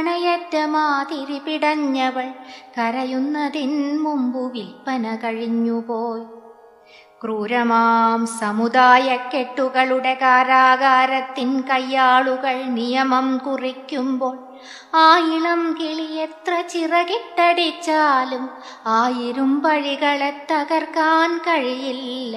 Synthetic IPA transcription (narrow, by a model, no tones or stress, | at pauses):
ɐɳɐjɐdːɐmaːt̪iɾipiɽɐɲːɐʋɐɭkɐɾɐjunːɐðinmumbuʋilpɐnɐkɐɻiɲːupoːj | kruːɾɐmaːmsɐmud̪aːjɐkːeʈːuɣɐɭuɽekaːɾaːɣaːɾɐt̪ːinkɐjːaːɭuɣɐɭnijɐmɐmkurikʲːumboːɭ | aːjiɭɐmkiɭijet̪rɐt͡ɕirɐɣiʈːɐɽit͡ɕːaːlum | aːjiɾumpɐɻiɣɐɭet̪ːɐɣɐrkaːnkɐɻijil